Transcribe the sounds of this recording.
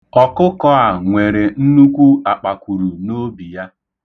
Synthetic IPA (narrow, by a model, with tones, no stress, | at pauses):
ɔ˨kʊ˦kɔ˦a˨ŋʷe˨ɾe˨n̩˦nu˦kʷu˦a˨k͡pa˨kʷu˨ɾu˨no˦bi˨ja˦